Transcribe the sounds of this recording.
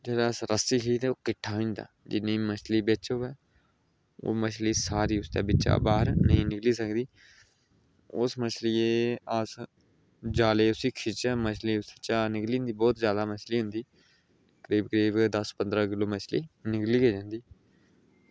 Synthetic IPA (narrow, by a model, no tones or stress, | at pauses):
d͡ʒeːɽaəsɾəst̪iːkʰiit̪ɛːoːkɪʈʰːaːɦõĩnd̪a̰ːd͡ʒɪnːĩːmət͡ʃʰliːbet͡ʃoːʋɛː | o̰ːmət͡ʃʰliːsaːɾiːʊst̪a̰ːbɪt͡ʃa̰ːbaːɦəɾnəɦĩːnɪkliːsəkd̪iː | ʊsmət͡ʃʰliːeəs | d͡ʒaːleːʊsiːkʰɪt͡ʃɛmət͡ʃʰliːʊsət͡ʃaːnɪkliːnd̪iːbɔːt̪zjaːd̪aːmət͡ʃliːɦʊ̃nd̪iː | kəɾiːbkəɾiːbd̪əspənd̪ɾaːkɪloːmət͡ʃʰliːnɪkliːɡeːd͡ʒãːnd̪iː